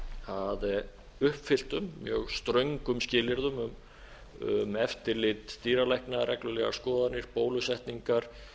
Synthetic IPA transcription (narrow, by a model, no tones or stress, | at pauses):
haðɛ | ʏhpfɪl̥t̪ʏmːjœːɣst̪ɾœɥŋkʏmscɪːlɪɾðʏmʏm | ʏ̰mɛft̪ɪɾlɪt̪t̪iːɾalajhknaɾʔɛklʏlɛɣa̰̥skɔːðanɪɾ̥poːwlʏsɛht̪niŋkaɾ̥